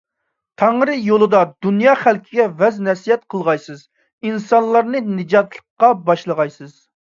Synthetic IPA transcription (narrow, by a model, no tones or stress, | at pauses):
t̪ʰɑŋɾɨjolˠɨd̪ɑd̪unjɑːχælkʲʰɪɡʲɛvɛznɛsijɛt̪̚qʰəlˠʁɑjsɨz | insɑnlˠɑɾnɨnɨd͡ʒɑt̪lˠəqːɑbɑʃlˠəʁɑjsɨz̥